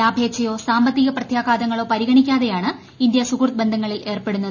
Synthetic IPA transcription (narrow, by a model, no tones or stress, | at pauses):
aːbʱe̞ːkɕɐjo̞ːsaːmbɐt̪ːiɣɐprɐt̪ʰjaːɡaːd̪ɐŋːɐɭo̞ːpɐɾiɣɐɳikʲːaːðejaːɳɨ | ind̪jɐsukurt̪̚be̞nd̪ʱɐŋːɐɭile̞ːrpe̞ɽunːɐðɨ